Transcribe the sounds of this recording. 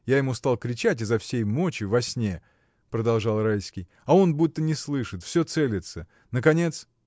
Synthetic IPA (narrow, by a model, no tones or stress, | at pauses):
jajɪmust̪ɑlˠkɾʲɪt͡ɕætʲɪzɐfsʲejmo̞t͡ɕɪvɐsʲnʲe | pɾəd̪ɐlˠʐɑlˠrajsʲkʲɪj | ɐo̞nbut̪ːənʲɪslˠɨʂɨt̪fsʲɵt̪selʲɪt̪sə | nəkɐnʲe̞t̪s